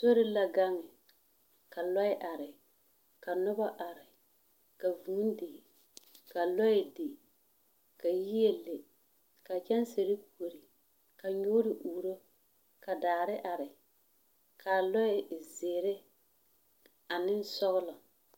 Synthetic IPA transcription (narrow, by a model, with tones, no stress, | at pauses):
so˦ɾɪ˦la˦ɡa˦ŋɪ˨ | ka˨lɔ˦ɪ˦ʔa˨ɾɪ˨ | ka˨nʊ˦ba˦ʔa˨ɾɪ˨ | ka˨vu˨ŋ˦dɪ˨ | ka˨lɔ˦ɪ˨dɪ˨ | ka˨ji˦e˦le˨ | ka˨t͡ʃɛ˦nse˨ɾɪ˦k̚u˨o˨ɾi˨ | ka˨ɲoː˦ɾɪ˨ʔuː˨ɾo˦ | ka˨daː˨ɾɪ˦ʔa˨ɾɪ˨ | kʰaː˨lɔ˦ɪ˨ɪ˨zeː˨ɾɪ˦ | a˨nɪ˦n˦sɔ˦ɣʊ˦lɔ˨